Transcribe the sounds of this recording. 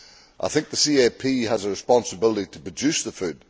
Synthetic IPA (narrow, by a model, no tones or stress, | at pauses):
ʔaɪθɪ̃ŋk̚ðəsiɛpʰiːəzəɹɪspɔ̃nsəbɪlˠətitʰə̥pɹ̥əd͡ʒʉsðəfʉd̥